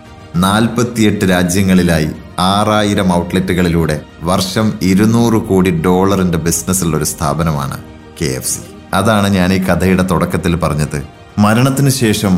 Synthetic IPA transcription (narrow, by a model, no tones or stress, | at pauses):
naːlpɐt̪ːije̞ʈːɨɾaːd͡ʑjɐŋːɐɭilaːji | aːraːjiɾɐmɐwʈletːuɣɐɭiluːɽe̞ | ʋɐrʂɐmiɾunuːrɨkoːɽiɖo̞ːɭɐrinde̞bisnɐsiɭːo̞ɾust̪ʰa̰ːbɐnɐma̰ːɳɨ̰ | kḛːḛfsi̥̰ | ɐðaːɳɨɲaːniːkɐd̪ʱɐjuɽe̞t̪oɽɐkːɐt̪ːilpɐrɐɲːɐðɨ | mɐɾɐɳɐt̪ːinɨɕe̞ːʂɐm